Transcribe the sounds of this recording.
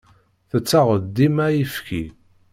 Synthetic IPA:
θət͡sːaʁəd̪ːimæjəfki

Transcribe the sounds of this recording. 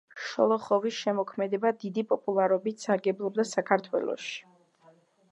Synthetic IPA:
ʃɔ̰lˠɔχɔvisʃɛmɔkʰmɛd̪ɛbad̪id̪ipʼɔpʼulˠaɾɔbit̪saɾɡɛblˠɔb̚d̪asakʰaɾt̪ʰwɛ̰lˠɔ̰ʃi̥

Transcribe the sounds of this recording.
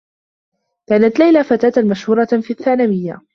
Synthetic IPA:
kaːnat̪lajlafat̪aːt̪amaʃhuːɾˤɑfiːθːaːnawɪjːa̰

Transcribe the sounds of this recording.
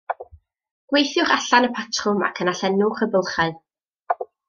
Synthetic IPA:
ɡ̥wejθjʊχaɬanəpʰatʰrʊma̰kʰənaɬɛnʊχəbəlˠχaɨ

